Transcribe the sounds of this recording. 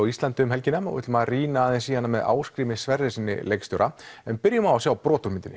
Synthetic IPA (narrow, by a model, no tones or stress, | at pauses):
wist̪lant̪ʏʏmɦɛlcɪnːaɔ̰ʏ̰t̪lmaðriːnaːðɛnsiːanːamɛða̰ːwskɾiːmɪsvɛɾðɪsinːɪ̰lejkst̪ʏɾʔaɛnpɪɾjʏmawasjawpɾɔːt̪ʊɾmɪnt̪ɪnɪ